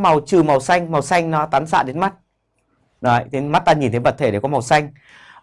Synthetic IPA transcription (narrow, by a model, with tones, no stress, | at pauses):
ma˨˩wt͡ɕɨ˨˩ma˨˩wsa˧jŋ̟ma˨˩wsa˧jŋ̟nɔ˨˦t̪aː˨˦nsa̰ː˧˨ɗe˨˦nma˦˥t̚ | nɔ˨˦t̪ʰi˨˦ma˦˥t̚t̪aː˧ɲi˨˩nt̪ʰə˨˦jvə˨˩t̪ʰe˧˩ɗe˧˩kɔ˨˦ma˨˩wsa˧jŋ̟